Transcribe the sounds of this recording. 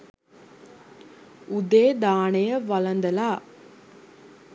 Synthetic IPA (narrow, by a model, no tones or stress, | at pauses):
ud̪eːd̪aːɳɐjəʋɐlɐnd̪ɐlaː